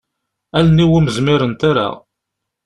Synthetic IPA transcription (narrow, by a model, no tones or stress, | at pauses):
æləniwiməzmɪɾənt̪aɾa̰